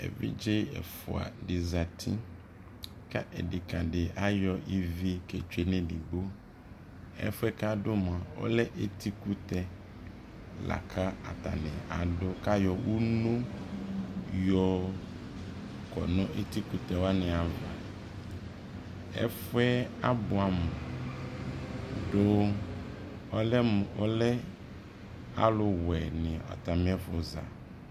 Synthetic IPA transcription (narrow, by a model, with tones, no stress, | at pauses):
ḛ˨vḭ˦d͡ʒe˦ɛ̰˨fʊ̰˨a̰˨dɪ˨za˨tʰĩ˦ | ka̰˦ʔɛ˨dɪ˨ka˨ɖɪ˨a˦jɔ˨i˦vi˦kɛ˨t͡ʃe˨nɛ̃˨di˨ɡ͡bo˦ | ɛ̰˦fʊ˦ɛ˦ka˦dʊ˦mã˨wɔ̰˦lɛ˦ʔe˨t̪ʰi˦ku˦t̪ɛ˨ | la̰˨kʰa˦a˨t̪a̰˨nɛ̃˨a˨dʊ˦ka˦jɔ˨wu˦nũ˦ | jɔ˦ | kɔ̰˨nɔ̃˦ʔe˦t̪i˦ku˦t̪ɛ˨wa˦nɪ̃˨a˨va˨ | ɛ̰˦fʊ˦ɛ˦a˦bʊ˨a˨mʊ˨ | do˦ | ɔ˦lɛ˦m˨ɔ˦lɛ˦ | a̰˦lʊ˨wɛ˨nɪ˨ɔ̰˨t̪a˨mɪ̃˦ɛ˦fʊ˨za̰˨